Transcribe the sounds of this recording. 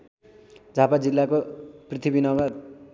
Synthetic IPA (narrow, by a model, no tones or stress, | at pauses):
d͡zʱapad͡zilːakoprit̪ʰibinʌba